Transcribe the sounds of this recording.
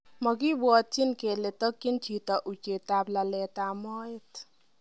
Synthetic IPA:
mɔk̬i˦bwɔ˨t͡ʃːi˦nke˨le˨t̪ɔ˦kːi˦nt͡ʃʰit̪ɔ˨ʔu˨t͡ʃe˨t̪a˨bla˨lɛ˨t̪a˨mɔ˦jɪt̪

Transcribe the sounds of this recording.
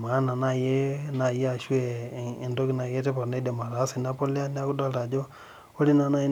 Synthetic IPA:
ma˨˦na˨na˦˨je˦na˨je˦a˨ʃu˦e˨ɪ˨ndo˦ki˦na˨je˦te˦pa˨ɾne˦de˨ma˨ɾa˨˦si˨na˦po˦lja˦n˦a˦ku˦da˦ta˨d͡ʒo˦ | o˦li˦na˦na˦i˦

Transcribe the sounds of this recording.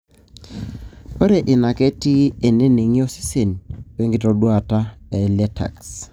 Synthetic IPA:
o˦ɾe˨ʔɪ˨na˨ke˦ti˦e˨ne˦ne˨ŋi˦ɔ˦si̥˦se˨n˨we˦ŋɡi˦˨tɔ˨dwa˨ta˦ɛ˨lɛ˦tʰa̰˨ks

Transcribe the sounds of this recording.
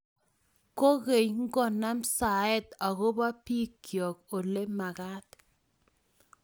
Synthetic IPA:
ko˦ɣe˨ɲŋɡɔ˦˨na˦msa˨ɛ˦t̪a˨ɣo˦ba˦pi˦kjɔ˨ko˨le˦ma˨ɣa˦t̪

